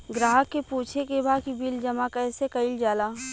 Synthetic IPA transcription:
ɡɾaːɦəkːepuːt͡ʃʰekebʱakibild͡ʒɐmakɛːsekəɪld͡ʒaːlaː

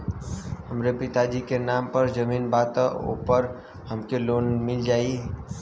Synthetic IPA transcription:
hɐmɾepɪt̪ad͡ʒikenaːmpəɾd͡ʒəmiːnbaːt̪ao̰pəɾ | həmkeloːnmɪld͡ʒaːi

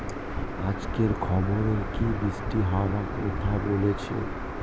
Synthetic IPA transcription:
ad͡ʑkeɾkʰɔboɾeɾkibɾisʈiɦɔwakɔtʰabolet͡ɕʰḛ

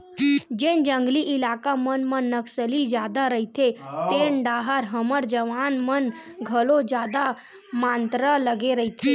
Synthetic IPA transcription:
d͡ʒend͡ʒə̃ŋɡliʔilakamənmənːəksəlid͡ʒjad̪aɾəɦit̪ʰet̪eɳɖaɦaɾɦəməɾd͡ʒəʋanmən | ɡʱəlod͡ʒjad̪a | mant̪ɾələɡeɾəɦit̪ʰe

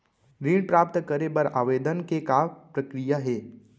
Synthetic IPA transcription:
ɡɾiːɽ̃pɾaːp̚t̪kəɾebɐɾaːʋeːd̪ənkekaːpɾəkɾijaɦɛː

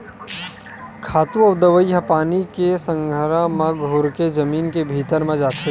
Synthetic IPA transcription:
kʰaːt̪ũɐʋd̪əʋəjɦɐpaːnikesə̃ŋɡʱəɾamãɡʱʊɾked͡ʒɐmiːnkebʱiːt̪əɾmẽd͡ʒaːt̪ʰe

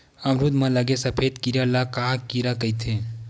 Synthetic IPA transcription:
amɾud̪mãləɡesɐpʰeːd̪kiɾjalakakiɾakəit̪ʰẽ

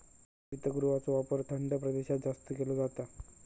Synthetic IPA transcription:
it̪əɡuɾuʋat͡soʋapəɾt̪ʰəɳɖəpɾəd̪eɕat̪d͡zast̪əkelod͡zat̪a

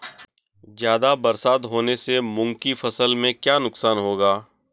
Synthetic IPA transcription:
zjaːd̪abɐɾsaːd̪ɦoːnesemʊ̃ŋɡkifɐsəlmẽkjaːnʊksaːnɦoːɡaː

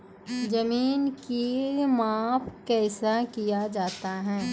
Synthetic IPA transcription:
d͡ʒɐmiːnkimaːfkɛːsakijad͡ʒaːt̪aɦɛː

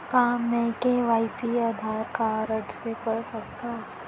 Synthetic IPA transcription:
kaːmːẽkeʋaːɪsiaːd̪ʱaːɾkaɾəʈsepɐɾsɐk̚t̪aː

